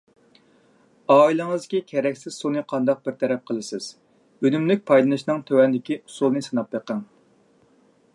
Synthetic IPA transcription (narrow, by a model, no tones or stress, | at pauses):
ɑːilˠɨŋɨzd̪kʲikʲʰɛɾɛkʲsɪz̥sunɨqʰɑnd̪ɑq̚bɪɾt̪ʰɛɾɛp̚qʰəlˠɨsɪz̥ | ønymlyk̚ʲpʰɑjlˠɨnɨʃnɨŋt̪ʰøwɛnd̪ɪkʲiusulˠnɨsɨnɑpveqəŋ